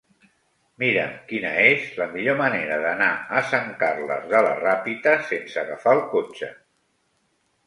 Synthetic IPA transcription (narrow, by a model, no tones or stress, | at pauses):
miɾəmkinəezləmiʎoməneɾəðənaəsaŋkarlə̰zðələ̰rapit̪əsensəɣəfalˠkot͡ʃə